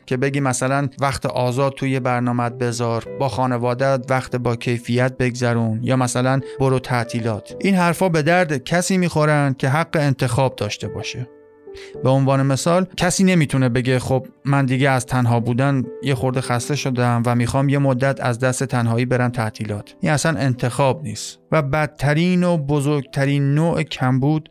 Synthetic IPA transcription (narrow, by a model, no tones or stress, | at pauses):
cʲʰe̞be̞ɟiːmæsælænvæxt̪ʰeʔɒːzɒːd̪̚t̪ʰujebæɾnɒːmæd̪̚be̞zɒːɾbɒːxɒːne̞vɒːd̪æd̪væxt̪ʰebɒːcʰe̞jfijæt̪̚be̞ɡzæɾunjɒːmæsælænboɾot̪ʰæʔt̪ʰiːlɒːt̪ʰʔinɦæɾfɒːbe̞d̪æɾd̪cʰæsiːmiːxoɾænd̪̥̚cʲʰe̞ɦæɡːeent̪ʰe̞xɒːb̚d̪ɒːʃt̪e̞bɒ̰ːʃe | be̞onvɒːne̞me̞sɒːlcʰæsiːne̞miːt̪ʰune̞be̞ɡʲe̞χob̚mænd̪iːɟeæzt̪ʰænɦɒːbuːd̪ænjexo̞ɾd̪exæst̪e̞ʃod̪emvæmiːxɒːmje̞mod̪ːæt̪ʰæ̰zd̪æst̪e̞t̪ʰænɦɒːiːbe̞ɾæmt̪ʰæt̪ʰiːlɒːt̪ʰʔiːnæsænʔe̞nt̪ʰe̞xɒːbnḭːst̪væbæd̪̚t̪ʰːæɾiːnobozoɾɡ̚t̪ʰæɾiːnːoːʔecʰæmbuːd̪̥